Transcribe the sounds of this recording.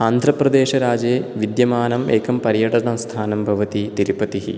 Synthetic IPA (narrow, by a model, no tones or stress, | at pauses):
aːnd̪ʱɾɐprɐd̪eːʃɐɾaːd͡ʑeːʋid̪jɐmaːnɐmeːkɐmpɐɾjɐʈɐɳɐmst̪ʰaːnɐmbʱɐʋɐt̪it̪iɾipɐt̪iɦḭ